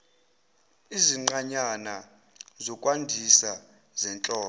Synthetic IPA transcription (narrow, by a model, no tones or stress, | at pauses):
iziŋ͡ǃaɲana | zɔkʼwandʱisa | zɛnt͡ɬʼɔː